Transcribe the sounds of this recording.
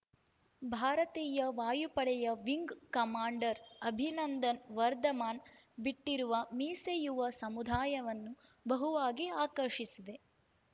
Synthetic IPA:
bʱaːɾɐt̪iːjɐʋaːjupɐɽɛjɐʋiŋɡkɐmaːɳɖɐɾɐbʱinɐnd̪ɐnʋɐɾd̪ɐmaːn | biʈːiɾuʋɐmiːsejuʋɐsɐmud̪ʱaːjɐʋɐnːubɐɦuʋaːɡiaːkɐɾʂisid̪e

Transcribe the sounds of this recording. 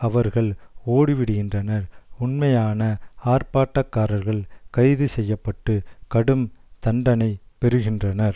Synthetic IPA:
ɐʋɐɾɣɐɭoːɽiʋɪɽɯɣɪndrɐnɐɾʊɳmɐjaːnɐaːrpaːʈːɐkːaːɾɐɾɣɐɭkɐɪðɯsɛjːɐpːɐʈːɯkɐɽɯmt̪ɐɳɖɐnɐɪpɛɾɯɣɪndrɐnɐɾ

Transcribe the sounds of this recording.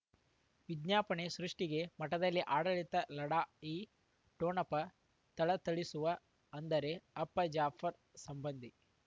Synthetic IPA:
ʋid̪ɲaːpɐɳesɾuʂʈiɡe̞mɐʈːɐd̪ɐlːiʔaːɽɐɭit̪ɐlɐɽaːiː | ʈoːnɐpːɐ | t̪ɐɭɐt̪ɐɭisuʋɐ | ɐnd̪ɐɾe̞ɐpːɐd͡ʒaːpʰɐɾ | sɐmbɐnd̪ʱi

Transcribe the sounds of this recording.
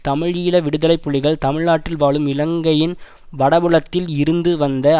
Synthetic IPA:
t̪ɐmɪɻiːlɐʋɪɽɯðɐlɐɪpːɯɭɪɣɐɭt̪ɐmɪɻnaːʈːɪlʋaːɭɯmɪlɐŋɡɐjɪn | ʋɐɽɐʋɯɭɐt̪ːɪlɪɾɯnd̪ɯʋɐnd̪ɐ

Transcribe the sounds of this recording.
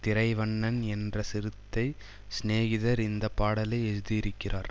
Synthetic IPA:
t̪ɪɾɐɪʋɐɳːɐnɛndrɐsɪɾɯt̪ːɐɪ | sneːɣɪðɐɾɪnd̪ɐpːaːɽɐlɐɪɛɻðɯɪɾɯkːɪrʔaːɾ

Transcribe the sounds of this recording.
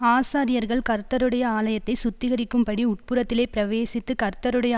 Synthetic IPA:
aːsaːɾɪjɐɾɣɐɭkɐɾt̪ːɐɾɯɽɐjɐaːlɐjɐt̪ːɐɪsʊt̪ːɪɣɐɾɪkːɯmpɐɽiʊʈ̚pɯɾɐt̪ːɪleːpɪɾɐʋeːsɪt̪ːɯkɐɾt̪ːɐɾɯɽɐjɐ

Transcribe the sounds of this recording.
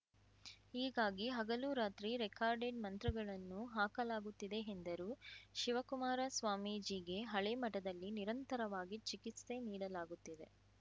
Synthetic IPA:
iːɡaːɡiɦɐɡɐluɾaːt̪ɾiɾekaːɾɖeɖmɐnt̪ɾɐɡɐɭɐnːuɦaːkɐlaːɡut̪ːid̪e̞end̪ɐɾuʃiʋɐkumaːɾɐsʋaːmid͡ʒiːɡe̞ɦɐɭemɐʈɐd̪ɐlːiniɾɐnt̪ɐɾɐʋaːɡit͡ʃikit̪st̪e̞niːɽɐlaːɡut̪ːid̪e̞̰

